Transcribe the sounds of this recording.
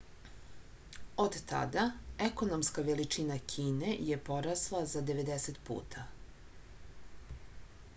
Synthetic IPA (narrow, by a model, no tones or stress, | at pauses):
od̪t̪a̰d̪aeko̞no̞mskaʋelit͡ʃinakʰiːne̞je̞po̞ɾaslˠazad̪e̞ʋe̞d̪eset̪pṵːt̪ʰa